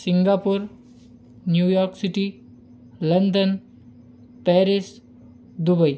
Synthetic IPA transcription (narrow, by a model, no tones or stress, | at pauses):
siŋɡapuɾ | njujɔɾksiʈi | lɐnd̪ən | pɛɾis | d̪ubəj